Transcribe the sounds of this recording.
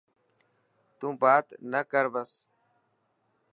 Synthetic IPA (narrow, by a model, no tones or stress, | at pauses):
t̪ũːbaːt̪nəkəɾbəs